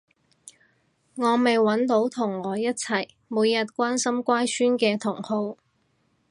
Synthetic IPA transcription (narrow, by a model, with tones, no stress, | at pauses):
ŋɔː˨˧me˨jwɐ˨˥nt̪o˨˥wt̪ʰʊ˨˩ŋːɔː˨˧jɐ˥t̚t͡sʰɐ˨˩j | muː˨˧jːɐ˨t̚kʷaː˥nsɐ˥mkʷaː˥jsyː˥nkɛː˧t̪ʰʊ˨˩ŋho˧w